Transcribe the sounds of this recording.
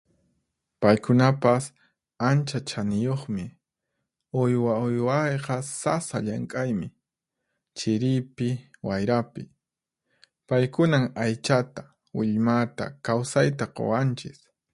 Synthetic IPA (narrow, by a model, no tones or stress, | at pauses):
pajkʊnapas | ant͡ʃat͡ʃanɪjoχmɪ | ojwaʊjwɑjqɑsasaʎaŋkʼajmɪ | t͡ʃɪɾɪjpɪwajɾapɪ | pajkʊnaŋajt͡ʃat̪ḁ | wɪʎmat̪a̰kawsajt̪aqo̰want͡ʃɪs